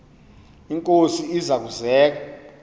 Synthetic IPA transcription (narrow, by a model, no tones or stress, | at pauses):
iŋkʼosiizak̬uzɛːk̬a